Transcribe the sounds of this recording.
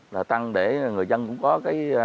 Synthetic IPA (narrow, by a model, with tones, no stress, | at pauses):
laː˨˩t̪a˧ŋɗe˧˩˨ŋɨ˨˩əjzə˧nkʊ̰˧˥ŋ͡mkɔ˨˦kaː˨˦j